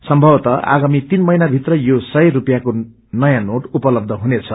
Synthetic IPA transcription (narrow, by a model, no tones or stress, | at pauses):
sʌmbʱʌwt̪ʌʔa̰ɡamit̪inmʌjnabʱit̪rʌjosʌjrupjako | nʌjãnoʈupʌlʌb̚d̪ʱʌɦunet͡sʰʌ